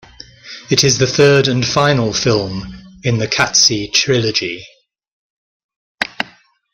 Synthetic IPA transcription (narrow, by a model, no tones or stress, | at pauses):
ɪtɪzðəθɜːdə̃nfãɪ̃nəlˠfɪlˠmɪ̃nðəkʰatsitʰɹ̥ɪləd͡ʒi